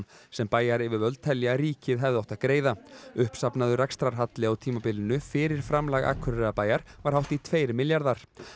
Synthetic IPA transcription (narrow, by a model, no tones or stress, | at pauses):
nsɛmpaːjaɾɛvɪɾvœlt̪ʰɛljɪaɾiːcɪðɦɛvðawt̪aðkɾeːjðaʏhpsapnaðʏrakst̪ɾaɾ̥ɦat̪lɪawt̪ʰiːmapɪlɪnʏfɪɾɪɾ̥fɾamlaɣa̰ːkʰʏɾɛɾapaːjaɾ̥vaɾ̥hawht̪it̪ʰveːjɾmɪljaɾðaɾ̥